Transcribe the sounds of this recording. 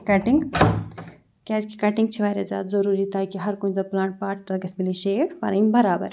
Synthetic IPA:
kɐʈɪŋɡ | kʲɛːzkikɐʈĩŋɡ̚t͡ʃʰiʋaːɾɐza̰ːd̪zɐɾuːɾit̪aːkiɦɐɾkũzɐplãːɳʈ̚paːʈʰt̪ɐlɡɐsmiliʃeːʈpɐ̰ːɾɐŋbɐɾaːbɐ̰ɾ

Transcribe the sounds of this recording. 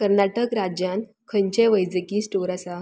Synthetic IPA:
kəɾnaʈəkɾad͡ʑjan | kʰəɲt͡ɕeʋəjd͡zəkiːsʈoɾasa

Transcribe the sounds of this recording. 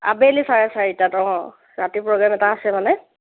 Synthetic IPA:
a̰belisaɹɛsaɹitatã | ɹatipɹoɡamɛtaasɛmanɛ

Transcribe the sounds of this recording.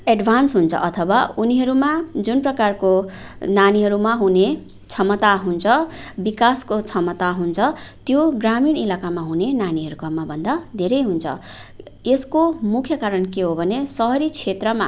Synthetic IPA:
eɖbʱansɦunt͡sʰʌ̰ʔʌt̪ʰʌwauniɦʌɾumad͡zunprʌkarko | naniɦʌɾumaɦune | t͡sʰʌmʌt̪aɦunt͡sʰʌbikaskot͡sʰʌmʌt̪aɦunt͡sʰʌt̪joɡraminilakamaɦunenaniɦʌɾukʌmabʱʌnd̪ad̪ʱeɾʌjɦunt͡sʰʌ̰ | eskomukʰjʌkaɾʌnkeɦobʱʌnesʌɦʌɾit͡sʰet̪rʌma̰

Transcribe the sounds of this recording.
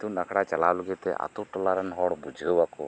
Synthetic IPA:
t̪unakʰɽat͡ʃalaluɡɛt̪ɛ̰ʔa̰t̪uʈɔlaɾɛnɦɔɽbud͡ʒʱɾəwakɔ̰

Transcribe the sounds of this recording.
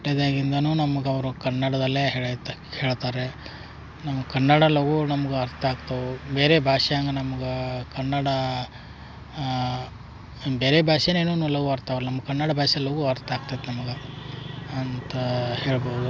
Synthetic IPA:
ʈːed̪aːɡind̪ɐnuːnɐmɐɡɐʋɐɾukɐnːɐɽɐd̪ɐlːeɦeɭheːɭt̪aːɾe | nɐmɐkɐnːɐɽɐlɐɡuːnɐmɐɡeɐɾt̪ɐaːɡt̪ɐʋube̞ːɾebʱaːʂjaːŋɡɐnɐmɐɡekɐnːɐɽɐ | be̞ːɾebʱaːʂɐneːnuːnuɐlːɐɡuɐɾt̪aʋɾnɐmːɐkɐnːɐɽɐbʱaːʂɐlɐɡuɐɾt̪ɐaːɡt̪ɐd̪enɐmɐɡe | ɐnt̪ɐhe̞ːɭboɦud̪u

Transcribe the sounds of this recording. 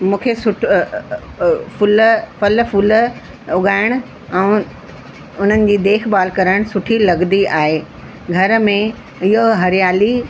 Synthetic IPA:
mũːkʰesʊʈʰ | fʊlpɐlfʊl | ʊɠaːɪɽ̃̆ | ɛ̃ː | ʊn̤ənɪ̆d͡ʑiːd̪eːxbaːlkɐɾəɽ̃sʊʈʰilɐɡd̪iaːɦeː | ɡʱɐɾmẽ | ɪɦoɦɐɾijaːli

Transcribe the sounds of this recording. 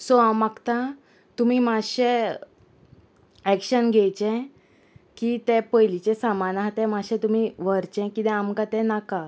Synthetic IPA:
soamakt̪ã | t̪um̤iːmaɕɛ̃ | ɛkɕənɡʱɛjt͡ɕɛ̃ | kit̪ɛ̃pəjlit͡ɕɛ̃samanaɦat̪ɛ̃maɕɛ̃t̪umiʋəɾt͡ɕɛ̃kit̪ɛ̃amkat̪ɛ̃naka

